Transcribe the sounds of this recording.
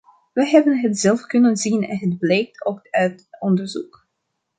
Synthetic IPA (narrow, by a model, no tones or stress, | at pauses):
ʋəɦɛbənɦətz̥ɛlˠfkɵnənzinɛ̰nɦədblɛjk̚tʰokœɥtɔndəɹzuk